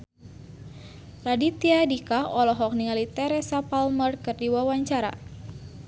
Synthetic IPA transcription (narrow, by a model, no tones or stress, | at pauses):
radit̪iadikaɔlɔɦɔk̚niŋalit̪ɛɾɛsapalmərkɨrdiwawaɲt͡ʃaɾa̰